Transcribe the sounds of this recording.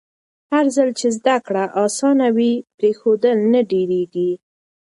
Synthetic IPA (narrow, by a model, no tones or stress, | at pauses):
haɾzəlt͡ʃezd̪akɽaʔɑsɑnawipɾexod̪əlnaɖeɾeɡi